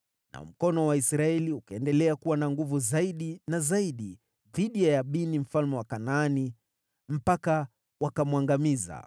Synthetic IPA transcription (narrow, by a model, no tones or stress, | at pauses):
nʔa̰m̩kɔnɔwaisɾaɛliukaɛndɛlɛakuwanaŋɡuvuzaiɗinazaiɗi | ðiɗijajaɓinim̩falmɛwakanaani | m̩paka | wakamwaŋɡamiza̰